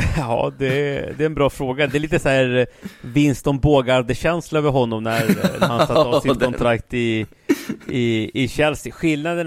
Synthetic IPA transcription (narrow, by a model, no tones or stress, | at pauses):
ɑ̰ːd̪ɛd̪ɛɛnbɾɑːfɾoːɡad̪ɛɛɾliːt̪əsæɾvɪnst̪ɔmboːɡaɾd̪əɕɛnslaøːvəɾɦɔnːɔmnæɾɾhansat̪ːsɪɔnt̪ʰɾakt̪ɪ | ɪːɕɛlsɪɧɪlnad̪ən